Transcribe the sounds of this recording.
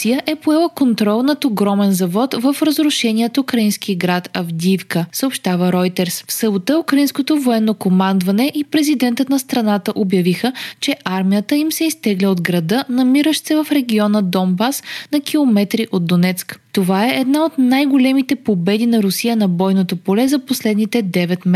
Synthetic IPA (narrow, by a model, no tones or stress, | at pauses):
sijəʔɛpoɛlˠəkont̪ɾɔlˠnɐt̪oɡɾɔmɛnzɐvɔt̪vəfɾəzɾʊʃɛnʲiɛt̪ukɾɐinsk̟iəɡɾat̪ɐvd̪ʲifkəsəopʃt̪avəɾɔjt̪ɛɾsfsəbot̪əukɾɐinskot̪ovoɛnːokomand̪vɐnɛʔipɾɛzid̪ɛnt̪ət̪nɐst̪ɾɐnat̪əʔobjɐvixət͡ʃɛʔaɾmijət̪əimsɛist̪ɛɡlʲɛod̪ɡɾɐd̪ɤnɐmiɾəʃt̪sɛvəfɾɛɡʲiɔnəd̪ɔmbasnɐkʰʲilˠomɛt̪ɾiʔod̪̚d̪onɛt̪skt̪ovaɛʔɛd̪naot̪najɡolɛmit̪ɛpobɛd̪inɐɾʊsijənɐbɔjnot̪opolɛzɐposlɛd̪nit̪ɛd̪ɛvɛt̪m